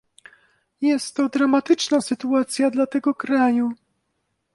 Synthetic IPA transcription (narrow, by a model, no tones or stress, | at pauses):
jɛst̪ːɔd̪ɾamat̪ɘt͡ʂnasɘt̪uat̪sʲjad̪lat̪ɛɡɔkɾaju